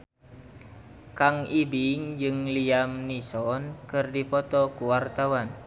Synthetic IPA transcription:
kaŋibiŋd͡ʒɨŋliamnisɔnkɨrdipɔt̪ɔkuwart̪awan

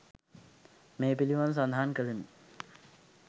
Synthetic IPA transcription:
meːpiliʋans̬and̪ʱaankəɭini

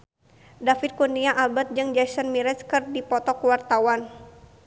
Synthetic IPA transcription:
dafit̪̚kuniaʔabat̪̚d͡ʒɨŋd͡ʒasənmiɾɛskɨrdipɔt̪ɔkuwart̪awan

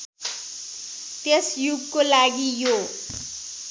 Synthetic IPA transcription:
t̪esjuɡkolaɡijo

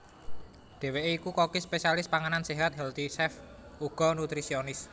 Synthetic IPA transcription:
ɖ̪̥e̤weʔeikukokispesialɪspaŋananseɦat̪̚ɦɛlt̪isɛf | uɡ̥ɔ̤nut̪ɾisionɪs

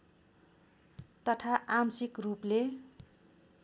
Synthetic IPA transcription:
t̪ʌt̪ʰaʔamsikruple

